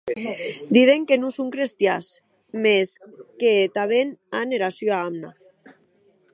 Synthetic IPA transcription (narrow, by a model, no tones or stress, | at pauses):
d̪iðeŋkenusuŋkɾest̪jas | meskeːt̪aβenaneɾasjoaamna